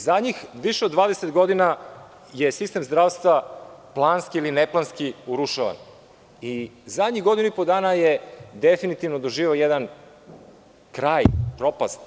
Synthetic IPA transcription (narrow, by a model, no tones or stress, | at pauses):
zad̪ɲixʋiʃeod̪ʋaːd̪eset̪ɡo̞d̪ina | jesist̪e̞mzd̪ɾaːʋst̪vaplˠaːnskiilineplˠanskiuɾuʃaʋa̰n | izad̪ɲiɣɡod̪inuipod̪aːnajed̪efinit̪iʋnod̪oʒiːʋeojed̪an | kɾaːjpɾo̞past̪